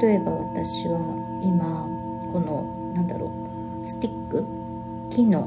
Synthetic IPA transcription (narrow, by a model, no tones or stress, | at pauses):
o̞e̞baβat̪aɕiβa | ima | ko̞no̞ | nãnd̪a̰ɾo̰ː | sɨ̥t̪ʲikːɯ̟ | kʲino̞̰ː